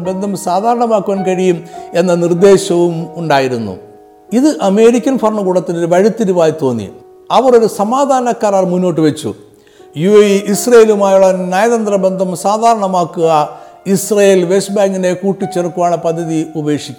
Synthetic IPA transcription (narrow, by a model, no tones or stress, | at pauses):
be̞nd̪ʱɐmsaːd̪ʱaːɾɐɳɐmaːkːuʋaːnkɐɻijume̞nːɐnird̪e̞ːɕɐʋumuɳɖaːjiɾunːṵ | iðɨʔɐme̞ːɾikʲːɐnfɐrɳɨkuːɽɐt̪ːinoɾuʋɐɻit̪ːiɾuʋaːjt̪o̞ːnːḭ | ɐʋɐro̞ɾusɐmaːd̪ʱaːɐnɐkːaːɾaːɭmunːo̞ːʈ̬ːɨʋet͡ɕːṵ | juʋejiʔisreelumaːjuɭːɐnaːjɐðɐnd̪rɐbe̞nd̪ʱɐmsaːd̪ʱaːɾɐɳɐmaːkːuɣɐ | isrɐjeːlʋe̞sbaːŋɡine̞kuːʈːit͡ɕːerukːuʋaːɳɨpɐd̪ʱːɐðiube̞ːkʂikʲː